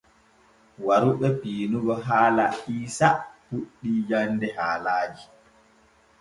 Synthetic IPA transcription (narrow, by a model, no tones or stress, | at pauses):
waɾuɓɛpiːnuɡɔɦaːlaiːsapuɗːid͡ʒanːdɛhaːlaːd͡ʒi